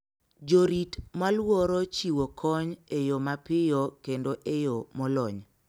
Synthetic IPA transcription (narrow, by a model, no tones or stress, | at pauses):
d͡ʒoɾitmalwɔɾot͡ʃiwokʰɔɲejomapɪjokendoʔejomɔlɔ̰ɲ